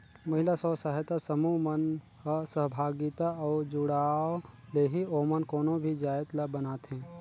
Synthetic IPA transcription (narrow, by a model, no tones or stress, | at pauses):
mɐɦɪlasɔːsaɦet̪asəmumən | ɦəsəɦbʱaːɡɪt̪aɔːd͡ʒʊɽaːoleːɦioːmənkoːnõbʱid͡ʒaːjt̪labənaːt̪ɦɛ̃ː